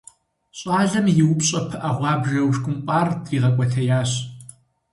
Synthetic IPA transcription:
ɕʼɑːɮɐmjɪwʊpɕʼɐpʰɨʔɐʁʷɑːbʒɐwʂkʷʼʊmqʷʼaːrdriːʁɐkʷʼɔtʰɐjaːɕ

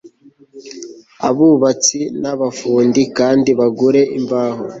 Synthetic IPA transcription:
a̰βuβat͡sinaβafuːndikaːndiβaɡuɾe̞ʔiɱvaːɦo

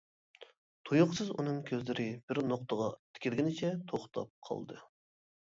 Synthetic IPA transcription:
t̪ʰujʊqsɨzṵnɨŋkʲʰøzlɪɾɪbɪɾnoqt̪əʁɑt̪ʰɪ̥kʲʰilɡʲinɪt͡ʃʰɛt̪ʰoχt̪ʰɑ̰p̚qʰɑ̰lˠd̪ɨ̰

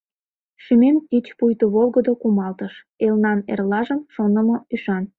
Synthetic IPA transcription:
ʃymenkit͡ɕpujt̪uβolˠɣəd̪okumɑlt̪əʃ | elnɑnḛrlɑʒəmʃonəməyʃɑn

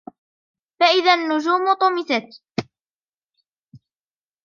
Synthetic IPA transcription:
faʔɪðanːʊd͡ʒuːmʊt̪ˤʊmɪsat̪

